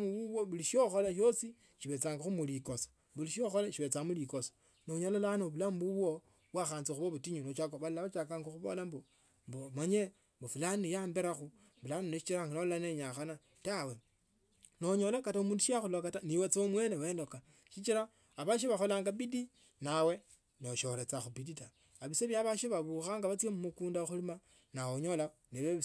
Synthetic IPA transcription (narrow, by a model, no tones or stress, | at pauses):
muβuβoβuliʃioxolaʃ̬osi | ʃiβe̞t͡saːŋɡaxumulikosḁ | βuliʃioxolaʃiβet͡samulikoso̥ | noɲolalanoβulambuβwo | βwaxaːnt͡sixuβoβutiɲunot͡ʃakoβallaβat͡ʃakaŋɡoxuβo̰lambo | mbomaɲe | mbofulanijaːmbeɾaxu | βulaniniʃit͡ʃiɾaŋɡanollaneɲaxana | tawe | noɲolakataumuːnduʃiaxulakataniwet͡somwenewendoka | ʃit͡ʃiɾaː | βaʃ̬iβaxolaːŋɡabidi | nawe | noʃoɾet͡saxubidita | aβiseβjaβaʃiβaβuxaŋɡaβat͡swemumukuːndaxulima | nawoɲolaneβe